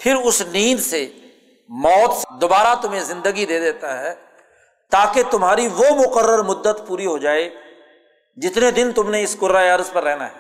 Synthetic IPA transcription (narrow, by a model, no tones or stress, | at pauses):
pʰɪɾʊsniːd̪se | mɔːt̪sd̪obaːɾat̪ʊm̤ẽzɪ̃nd̪əɡid̪eːd̪eːt̪aɦɛː | t̪aːket̪ʊmɦaːɾiʋomʊqəɾːəɾmʊd̪ːət̪puːɾiɦoːd͡ʒaːe | d͡ʒɪt̪ned̪ɪnt̪ʊmneɪskʊɾaːjəɾspɐɾːɛɦna̰ɦɛː